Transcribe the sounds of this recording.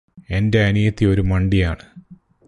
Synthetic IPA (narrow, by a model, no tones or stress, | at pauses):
e̞nde̞ɐnijɐt̪ːio̞ɾumɐɳɖijaːɳɨ